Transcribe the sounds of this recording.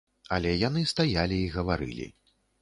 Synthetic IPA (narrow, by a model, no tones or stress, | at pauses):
ɐlʲɛjan̪ɨst̪ajalʲiːɣɐvaɾɨ̰lʲḭ